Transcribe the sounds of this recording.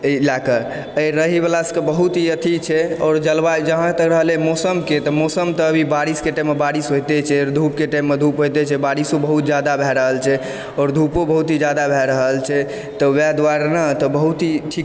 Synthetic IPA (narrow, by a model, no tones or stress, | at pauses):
lakə | əjɾəɦibelasə̥kəbəɦut̪ɦiət̪ʰit͡ʃʰɛɔːɾd͡ʒəlbad͡ʒəɦãt̪əkɾəɦəlɛmɔsəmket̪ɔmɔsəmt̪ɔːbʱibaɾiskeʈamebaɾisɦojt̪ɛt͡ʃʰɛd̪ʱup̚keʈamːed̪ʱupɦojt̪ɛt͡ʃʰɛbaɾisobəɦut̪̚d͡ʒad̪abʱɛɾəɦəlt͡ʃʰɛ | ɔːɾd̪ʱupobəɦut̪id͡ʒad̪abʱɛɾəɦəlt͡ʃʰɛ | t̪ɔwad̪waɾnət̪ɔbəɦut̪ɦiʈʰik